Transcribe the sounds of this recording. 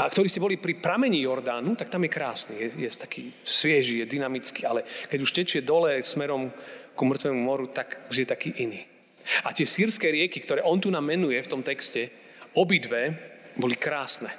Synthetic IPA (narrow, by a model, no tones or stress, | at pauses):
ʔakt̪ɔɾiːscɛbɔlipɾipɾamɛɲijɔɾd̪aːnut̪ak̚t̪amjɛkɾaːsnijɛjɛt̪ḁkʰḭːsʋɪɛʒijɛd̪inamit͡ski̥alɛkɛɟuʃcɛt͡ʃɪɛd̪ɔlɛsmɛɾɔmkumr̩t̪ʋɛːmumɔɾut̪akʒjɛt̪akiːʔiniː | at̪ɪɛsiːɾskɛɾɪɛkikt̪ɔɾɛːʔɔnt̪unaːmːɛnujɛft̪ɔmt̪ɛkscɛ | ɔbid̪ʋɛbɔlikɾaːsnɛ